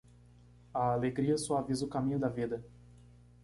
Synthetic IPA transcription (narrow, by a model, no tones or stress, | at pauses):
aːleɡɾiɐsɔavizʊkamĩɲʊd̪ɐvid̪ɐ